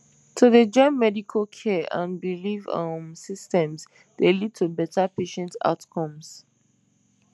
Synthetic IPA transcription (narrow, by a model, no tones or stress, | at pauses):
tʰuðed͡ʒɔ̃ɪ̃nmɛdikʰəlkʰɛʔã̰nbilivəmsistɛ̃mz | delid̚tʰubɛtəpeʃɛ̃nta̰ʊtkʰɔ̃ms